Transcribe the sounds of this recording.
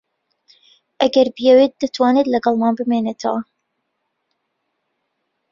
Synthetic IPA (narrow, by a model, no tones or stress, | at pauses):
ʔɐɡɐɾbijɛwet̪̚d̪ɨt̪ʰwɑːnet̪lɐɡɑlˠmɑːnbɨmeːnet̪ʰɐwa